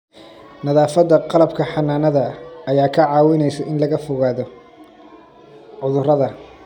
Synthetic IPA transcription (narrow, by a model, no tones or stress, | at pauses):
nɐðaːfɐd̪ːɐqɑlɐbkʰɐħɑnaːnɐðɐɐjaːkʰɐʕɑːwɪnɛjsɐʔɪnlɐɣɐfɔɣaːðɔ | ʕʊðʊrɐðɐ